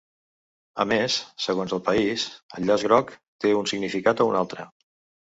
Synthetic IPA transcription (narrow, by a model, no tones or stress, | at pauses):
əmesːəɣonzəlˠpəisə̰lʎːazɣɾɔkt̪eunsiɡnifikat̪əunalˠt̪ɾə